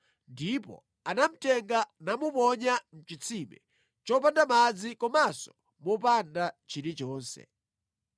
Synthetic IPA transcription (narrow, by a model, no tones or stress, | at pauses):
ndipɔ̰ | anam̩tɛŋɡanamupɔɲam̩t͡ʃit͡sʰimɛ̰ | t͡ʃɔp̬andamad͡zikɔmasɔ | mɔp̬andat͡ʃiɾit͡ʃɔːnsɛ̰